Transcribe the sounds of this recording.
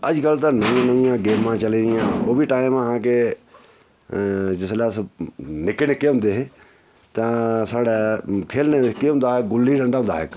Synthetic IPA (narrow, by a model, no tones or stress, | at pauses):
əd͡ʒkəlt̪ãnəʋĩãnəʋĩjãːɡeːmːãːt͡ʃəleːnɪjãːoːbʱiːʈaːɪməɦãːke | d͡ʒɪslɛːsnɪkenekeːɦʊ̃nd̪eːɦe | t̪ãːsaːɽɛːkʰeːlnekeɦʊ̃nd̪aːɦeːɡʊliɖə̃ɳɖaːɦʊ̃nd̪aːɦḛːk